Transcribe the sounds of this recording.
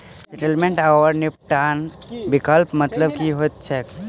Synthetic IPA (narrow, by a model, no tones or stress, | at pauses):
seʈəlmẽɳʈaʋəɾnip̚ʈanbikəlpmɐt̪ləbkiɦot̪t͡ʃʰek